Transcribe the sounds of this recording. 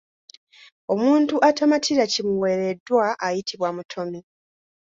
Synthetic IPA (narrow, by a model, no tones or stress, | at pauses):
o̞muːntuʔatamatʰiɾacimuwe̞ɾe̞dːwaʔːjitʰiβwamutʰo̞mi